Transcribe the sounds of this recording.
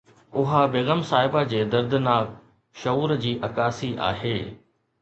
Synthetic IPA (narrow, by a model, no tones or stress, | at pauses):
ʊɦabeːɣəmsaːɦɪbad͡ʑeːd̪ɐɾd̪ɪnaːk | ʃɐuːɾd͡ʑiːʔɐkaːsiʔa̰ːɦeː